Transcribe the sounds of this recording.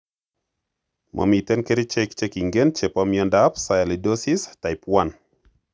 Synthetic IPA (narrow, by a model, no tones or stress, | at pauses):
mʔa̰mitɛnkeɾit͡ʃɛkt͡ʃekiŋɡent͡ʃepɔmjɔndapsajalidosistajpwan